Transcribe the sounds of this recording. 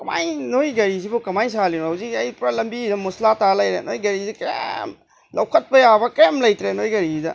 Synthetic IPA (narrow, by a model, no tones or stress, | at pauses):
kɐma̰jnojɡɐɾizibukɐmajsalinohawzikɐjpɾɐlɐmbidɐmuslatalɐjɾenojɡɐɾizikɐja̰m | lɐwkʰɐt̚pɐjabɐkɐjamlɐjtɾenojɡɐɾizidɐ